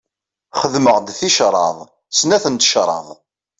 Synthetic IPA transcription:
χəðməʁd̪θiʃɾˤɑ̰ðˤ | snæθənt̪ə̥ʃɾˤɑ̰ðˤ

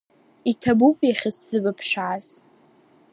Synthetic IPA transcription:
itʰabupʼjaχʲɪsːɨbapʰʂaz̥

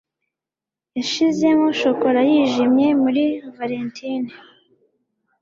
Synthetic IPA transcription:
jaʃize̞moʃo̞ko̞ɾajiːʒimɲe̞muɾivaɾentʰini

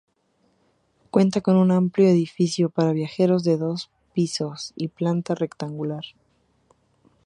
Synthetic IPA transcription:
kwe̞nt̪ako̞nũnampljo̞e̞ðifisjo̞paɾaβ̞jaxe̞ɾo̞zðe̞ðo̞s | piso̞siplant̪are̞kt̪aŋɡulaɾ

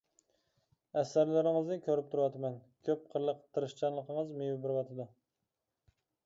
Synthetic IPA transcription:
æsːæɾlæɾɪŋɨznɪkʲʰøɾɪp̚t̪ʰuɾwɑt̪ʰmɛnkʲʰøp̚qʰəɾlˠəqt̪ʰːɨɾɨʃt͡ʃʰɑnlˠəqʰəŋəzmejɪbɪɾwɑt̪ʰɨd̪ʊ

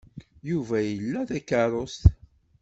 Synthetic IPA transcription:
juvæjəlːæðækːɑɾˤost̪

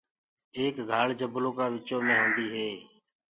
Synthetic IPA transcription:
eːkɡʱaːɭd͡ʒəbloːkaːʋɪt͡ʃoːmẽːɦõːnd̪iːɦeː

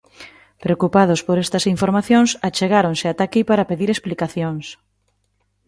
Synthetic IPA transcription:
pɾeokupað̞ʊspoɾɛst̪ɐsiɱfoɾmaθjoŋsat͡ʃeɣaɾoŋsɪat̪akipaɾɐpeðiɾesplikaθjoŋs

